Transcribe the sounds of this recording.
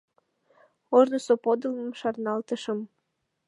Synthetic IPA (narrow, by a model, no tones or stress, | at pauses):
oʒnosopod̪əlmɤ̆mʃɑrnɑlt̪əʃə̆m